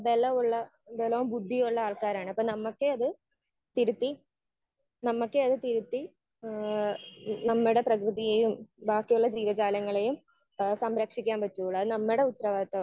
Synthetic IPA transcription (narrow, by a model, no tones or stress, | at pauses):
belːɐʋuɭːɐend̪eːlɐːmbud̪ʱːijuɭːɐaːɭkaːɾaːɳɨɐpːoːnɐmːɐkːeɐðɨ | t̪iɾut̪ːi | nɐmːukːeɐðɨt̪iɾut̪ːi | nɐmːiɽe̞prɐkrɨðijejumbaːkːijuɭːɐd͡ʑiːʋɐd͡ʑaːlɐŋːɐɭejum | sɐmɾɐkʂikʲːaːnpɐtːuoɭɐðɨnɐmːiɽe̞ut̪ːɐrɐʋaːd̪ɐt̪ːɐ